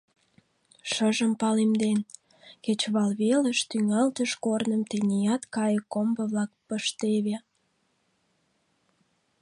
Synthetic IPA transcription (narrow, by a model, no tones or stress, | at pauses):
ʃəʒəmpɑlemd̪en | ket͡ɕβɑlβeləʃt̪yŋɑlt̪əʃkornə̆mt̪enʲijɑt̪kɑjəkːombə̆βlɑk̚pəʃt̪eβe